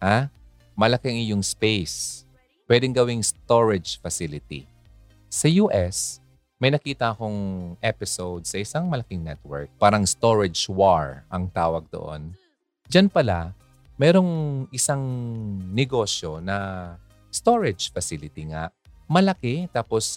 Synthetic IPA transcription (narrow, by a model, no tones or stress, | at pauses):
ha | mɐlɐkɛŋɪjoŋspejs | pwɛd̪ɛŋɡɐwɪŋst̪oɹɛd͡ʒfɐsilɪt̪ḭ | sɐjuːʔɛs | mɐjnɐkiːt̪ɐʔɐko̞ŋʔɛpɪsowd̪̚sɐʔɪsaŋmɐlɐkɪŋnɛt̪̚wɛ̰ɹk̚paːɾɐŋst̪o̞ɹɛd͡ʒwaɹʔɐŋt̪aːwɐɡ̚d̪o̰ʔo̰n | d͡ʒanpɐla | mɛːɾo̞ŋʔɪsaŋnɛɡo̞ːsjo̞nɐ | st̪o̞ɹɛd͡ʒfɐsilɪt̪iŋaʔ | mɐlɐkɛt̪aːpos